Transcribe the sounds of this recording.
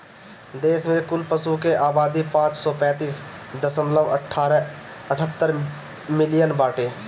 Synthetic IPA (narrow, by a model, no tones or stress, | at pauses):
d̪eːsmẽkʊlpəsukeʔaːbaːd̪ipãːt͡ʃsɔːpɛ̃ːt̪iːsd̪əsəmləʋəʈʰːɾəʈʰət̪ːəɾ | mɪlɪjənbaːʈeː